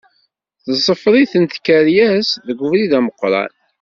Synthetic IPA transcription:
θəzˤːəfɾˤiθənt̪kːæɾjæsðəɡvɾiðæməqːɾˤɑ̰n

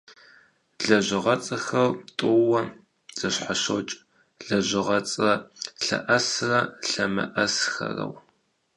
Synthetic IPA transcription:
ɮɐʑɪʁɐt͡sʼɐxɐrtʼʊwɐ | z̥ɐɕħaɕot͡ʃʼ | ɮɐʑɪʁɐt͡sʼɐɬɐ̰ʔɐsrɐɬɐmɐ̰ʔɐsxɐ̰rɐ̰w

